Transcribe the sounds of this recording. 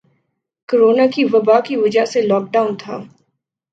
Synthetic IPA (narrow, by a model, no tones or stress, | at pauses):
koɾoːnakiʋɐbakiʋɐd͡ʒəɦselɔːk̚ɖaːʊnt̪ʰa̰ː